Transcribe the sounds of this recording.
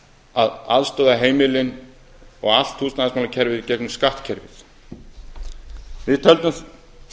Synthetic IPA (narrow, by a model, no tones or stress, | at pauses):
aðaðst̪œːðaɦeːjmɪlɪn | ɔɣal̥t̪huːsnaðɪsmalacʰɛɾvɪðicɛknʏmskaht̪cʰɛɾvɪθ | vɪðt̪ʰœlt̪ʏm